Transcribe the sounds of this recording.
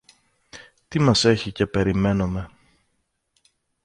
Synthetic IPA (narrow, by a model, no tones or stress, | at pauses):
t̪imɐse̞çice̞pe̞ɾime̞nome̞